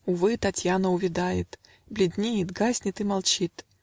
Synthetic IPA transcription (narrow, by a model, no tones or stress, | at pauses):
ʊvɨt̪ɐtʲjanəʊvʲɪd̪ajɪt̪ | blʲɪd̪ʲnʲejɪt̪ɡasʲnʲɪt̪ɨmalˠt͡ɕit̪